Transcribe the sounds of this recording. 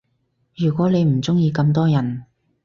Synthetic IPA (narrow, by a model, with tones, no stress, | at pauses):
jyː˨˩kʷɔː˨˥ne˨˧jm̩˨˩t͡sʊ˥ŋjiː˧kɐ˧mt̪ɔː˥jɐ˨˩n